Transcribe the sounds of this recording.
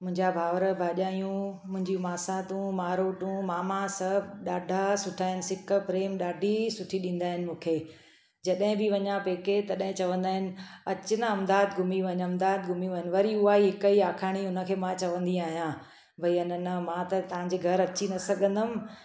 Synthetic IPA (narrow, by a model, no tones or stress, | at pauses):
mʊ̃ɦɪ̃ɲd͡ʑabʱaːʋəɾəbʱaːʄaːjũmʊ̃ɦɪ̃ɲd͡ʑiũmaːsãt̪ũmaːɾoːʈũmaːmãsɐɦbɗaːɖʱasʊʈʰaːɦɪnɪ̆sɪkə̆pɾeːmɗaːɖʱisʊʈʰiɗĩːn̆d̪aːɦɪnɪ̆mũːkʰeː | d͡ʑɐɗɦɪ̃bɪʋɐɲãpeːket̪ɐɗɦɪ̃t͡ɕɐʋə̃nd̪aːɦɪnɪ̆ɐt͡ɕɪnaɐmd̪aːd̪ɡʱʊmiʋɐɲɐmd̪aːd̪̚ɡʱʊmiʋɐɦnɪʋɐɾiʊaːiɦɪkəiaːkʰaːɽ̃iʊnə̆kʰeːmãt͡ɕɐʋə̃nd̪iaːɦjã | bʱɐiʊnənmãt̪ɐt̪ɐʋ̤ãɲd͡ʑeːɡʱɐɾɐt͡ɕinɐsɐɡʱə̃nd̪əmɪ